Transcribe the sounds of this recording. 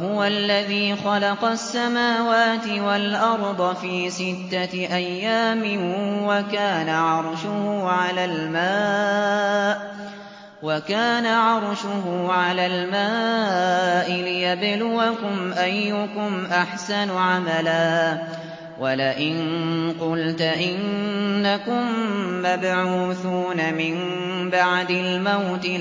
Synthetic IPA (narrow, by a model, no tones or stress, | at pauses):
hʊwalːaðiːxɑlɑqɑsːamaːwaːt̪ɪwalʔɑɾˤd̪ˤɑfiːsɪt̪ːaʔajːaːmɪnwakaːnaʕɑɾˤʃʊhʊʕalaːlmaː | ʔ | wakaːnaʕɑɾˤʃʊɦʊʕalaːlmaː | ʔɪlɪjablʊwakʊmʔajːʊkʊmʔaħsanʊʕamalaː | wʔalaʔɪnqʊlt̪ʔɪnːakʊmːabʕuːθuːnamɪm | baʕd̪ɪlmawt̪ɪ